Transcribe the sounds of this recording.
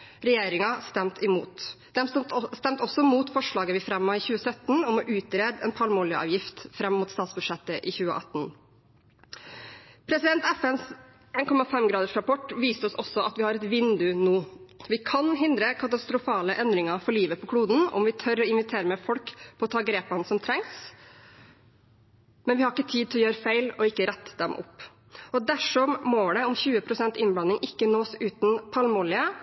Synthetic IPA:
ɾɛjeːɾɪŋɑst̪ɛmt̪ɪmṵːt̪d̪ɛmst̪ɛmt̪ɔsɔmuːt̪fɔʂɭɑːɡəʋɪfɾɛmːəɪːçʉːəsœt̪ːn̩ɔmɔʔʉːt̪ɾeːd̪ɛnpʰɑlmoːlɪəʔɑ̰ːʋjɪft̪fɾɛmːmuːt̪st̪ɑːt̪sbʉd̪ʂɛt̪ːəʔɪçʉːə̰ʔɑ̰t̪n | pʰɾɛsɪd̪ɛnt̪æfɛns | eːnkʰɔmɑfɛmɡɾɑːd̪əʂɾɑpɔʈʋiːst̪ɔsɔsɔʔɑt̪ʋɪhɑːɾɛt̪ʋɪnd̪ʉnuːʋɪkʰɑnɦɪnd̪ɾəkʰɑt̪ɑst̪ɾʊfɑːləʔɛnd̪ɾɪŋɑfɔɭiːʋəpʰɔkʰɽuːd̪n̩ɔ̰mʋɪt̪ʰœɾɔɪnʋɪt̪ʰeːɾəmɛfɔlkpʰɔːt̪ʰɑːɡɾeːpɑnsɔmt̪ʰɾɛŋs | mɛnʋɪhɑɾɪkːət̪ʰiːd̪t̪ʰɪlɔjøːɾəfæɪlɔɪkːəɾɛt̪ːd̪ɛmʔɔ̰pː | ɔd̪æʂɔmmoːɖ̪ɛɔmçʉːəpʰɾʊsɛnt̪ɪnblɑnːɪŋʔɪkːənoːsʉːt̪n̩pʰɑlmɔlɪə

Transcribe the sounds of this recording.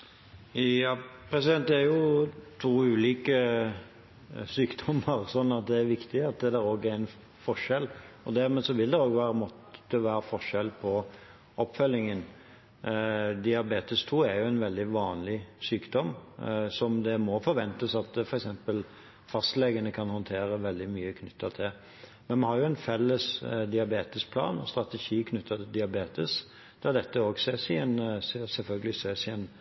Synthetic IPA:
jɑːpʰɾɛsɪd̪ɛnt̪æɾjʊt̪ʰuːʉːliːkə | syːkd̪ɔmːəɾsɔnːɑt̪̚d̪ɛæɾʋɪkt̪ɪɑt̪̚d̪ɛd̪ɛɾoːɡæɾɪn | fɔʂɛlːɔd̪æɾmeːsɔʋɪld̪ɛɾoːɡʋæːɾəmɔt̪ːəʋæːɾəfɔʂɛlpʰɔ | ʔɔpːfœlːɪŋən | d̪ɪɑbeːt̪əst̪ʰuːæɾjʊæɪnʋɛld̪ɪʋɑːnlɪsyːkd̪ɔmsɔmd̪ɛmɔfɔɾʋɛnt̪əsɑt̪fɔɾɛksɛmpəl | fɑst̪lɛɡənəkʰɑnhɔnt̪ʰeːɾəʋɛld̪ɪmyːəkʰnʏt̪ʰːət̪ʰɪl | mɛnmɑnhɑɾjʊɛnfɛlːəsd̪ɪɑbeːt̪əspʰlɑ̰ːnɔ̰st̪ɾɑt̪ɛʃiːkʰnʏt̪ʰːət̪ʰɪd̪ɪɑbeːt̪əs | d̪̥ɑd̪ɛt̪ːəoːɡseːsɪɛnssɛlfœlɡəlɪseːsɪɛn

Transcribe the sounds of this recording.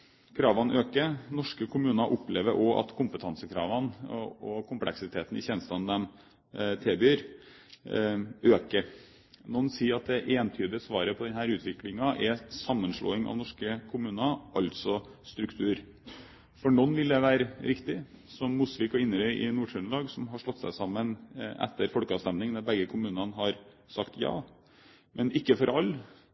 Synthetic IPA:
kʰɾɑːʋɑnøːkənɔʂkəkʰʊmʉːnɑʔʊpleːʋəɾʔɔʔɑ̰t̪kʰʊmpət̪ʰɑnsəkʰɾɑ̰ːʋɑnɔkʰʊmplʔɛ̰ksɪt̪ʰeːt̪nɪçɛːnəst̪ɑnd̪ɛm | t̪ʰɛlbyːɾ | øːkəɾ | nɔnːsiːɾɑt̪̚d̪ɛʔeːnt̪ʰyːd̪əsʋɑːɾəpʰɔd̪ɛnhæːɾʉːt̪ʰʋɪklɪŋɑʔɛsɑmːənʂlo̰ːɪŋɑ̰ʋnɔʂkəkʰʊmʉːnɑʔɑlt̪sɔst̪ɾʉkt̪ʰʉːɾ | fɔɳɔnːʋɪld̪ɛʋæːɾəɾɪkt̪ɪsɔmːusʋɪkɔɪnːəɾœʏʔɪnuːʂœnlɑːɡsɔmɦɑʂlɔt̪ːsæ̰ɪsɑmːənʔɛ̰t̪ːəɾfɔlkəɑːʋst̪ɛmnɪŋd̪ɑbɛɡːəkʰʊmʉːnɑnɦɑɾ | sɑkt̪jɑ̰ː | mʔɛnɪkːəfɔɾʔɑlː

